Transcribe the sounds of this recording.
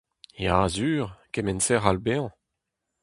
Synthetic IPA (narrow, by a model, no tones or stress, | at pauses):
jazyːʁkemɛnsɛʁalbeɑ̃